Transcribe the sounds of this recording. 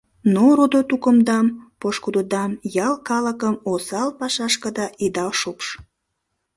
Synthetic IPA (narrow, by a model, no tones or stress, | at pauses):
noɾod̪ot̪ukəmd̪ɑmpoʃkud̪od̪ɑmjɑlkɑləkəmosɑlpɑʃɑʃkəd̪ɑʔid̪ɑʃupʃ